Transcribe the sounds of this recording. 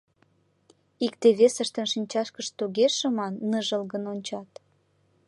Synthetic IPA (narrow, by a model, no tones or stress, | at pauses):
ikt̪eβesəʃt̪ə̆nʃinʲt͡ɕɑʃkəʃt̪oɣeʃə̆mɑnːəʒəlɣənonʲt͡ɕɑt̪